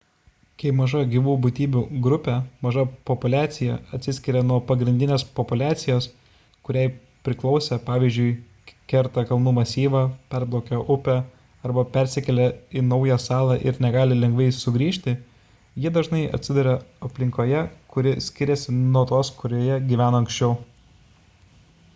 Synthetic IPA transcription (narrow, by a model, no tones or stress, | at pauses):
kɐɪmɐʒɐɡʲiʋuːbʊt̪ʲiːbʲuɡɾʊpʲɛmɐʒɐpɔpʊlʲæːt̪sʲɪjɛɐt̪ʲsʲɪsʲkʲɪɾʲɛnuɔpɐɡɾʲɪnʲd̪ʲɪnʲeːspɔpʊlʲæːt̪sʲɪjoːs | kʊɾʲæɪ | pʲɾʲɪklˠɒʊsʲɛpɑːʋʲiːzʲd͡ʒʲʊɪ | kʲɛɾt̪ɐkɐlˠnuːmɐsʲiːʋɑːpʲɛɾblˠoːkʲoʔʊpʲɛ | ɐɾbɐpʲɛɾʲsʲɪkʲɛlʲɛɪnɐʊjɛsɑːlˠɑʔɪɾnʲɛɡɑːlʲɪlʲɛŋɡʋɐɪsʊɡɾʲiːʃʲt̪ʲɪ | jiɛd̪ɐʒnɐɪʔɐ̰t̪ʲsʲɪd̪ʊɾʲɛɐpʲlʲɪ̃ŋkoːjɛkʊɾʲɪsʲkʲɪɾʲɛsʲɪnuɔt̪uɔskʊɾʲoːjɛɡʲiʋʲæːnoːɐŋksʲt͡ʃʲɛʊ